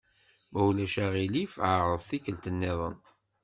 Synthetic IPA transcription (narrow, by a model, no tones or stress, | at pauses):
mæwlæʃæʁilifʕaɾˤəðˤθikːəlt̪ənːɪðˤə̰n